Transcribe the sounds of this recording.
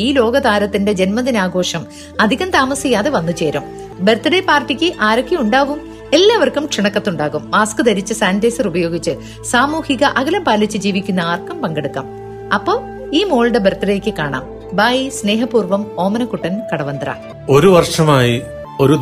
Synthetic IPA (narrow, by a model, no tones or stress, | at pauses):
iːlo̞ːɡɐðaːɾɐt̪ːinde̞d͡ʑe̞nmɐðinaːɡo̞ːʂɐm | ɐd̪ʱiɣɐmt̪aːmɐsijaːðe̞ʋɐnːut͡ɕe̞ːɾɐm | bert̪iɽepaːrʈikʲːɨʔaːɾɐkːijuɳɖaːɣum | e̞lːaːʋɐrkːumkʂiɳɐkːɐt̪ːuɳɖaːɣumːaːskɨd̪ɐɾit͡ɕːɨsaːndeːsɐrubɐjo̞ːɡit͡ɕːɨ | saːmuːhiɣɐʔɐɣɐlɐmpaːlːit͡ɕːɨd͡ʑiːʋikʲːunːɐaːrkːɐmpɐŋɡɐɽukːɐ̰m | ɐpːo̞ː | iːmoːɭɽebert̪iɽejkʲːɨkaːɳa̰ːm | baːjisne̞ːɦɐpuːrʋɐmo̞ːmɐnɐkuʈːɐnkɐɽɐʋɐnd̪rɐ̰ | o̞ɾuʋɐrʂɐmaːji | o̞ɾu